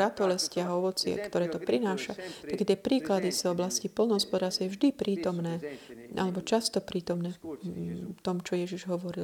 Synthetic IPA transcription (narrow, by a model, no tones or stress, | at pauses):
at̪ɔlɛscɪaɦɔʋɔt͡sɪɛ̰kt̪ɔɾɛːt̪ɔpɾinaːʃat̪akːɛt̪ɪɛpɾiːklad̪izɔblascipɔlnɔɦɔspɔd̪aːɾst̪ʋjɛvʒd̪ipɾiːt̪ɔmnɛːʔa̰lɛbɔt͡ʃast̪ɔpɾiːt̪ɔmnɛː | t̪ɔmt͡ʃɔjɛʒiʒɦɔʋɔɾil